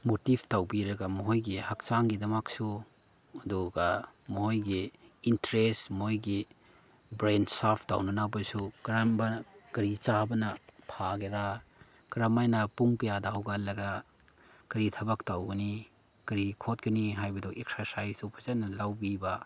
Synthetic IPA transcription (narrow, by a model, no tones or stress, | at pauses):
motibʰtawbiɾɐɡamɔɦojɡihak̚t͡ʃaŋɡidɐmaksu | ɐdɔɡamɔɦojɡiintɾesmɔɦojɡi | bɾensapʰta̰wnɐnabɐsukɾambɐkɐɾit͡ʃabɐnɐpʰaɡeɾa | kɾamajnɐpuŋkɐjadaɦawɡalːɐɡa | kɐɾitʰɐbak̚tawɡɐni | kɐɾikʰot̚ɡɐniɦajbɐdɔek̚sɐɾsajsupʰɐzanɐlawbiba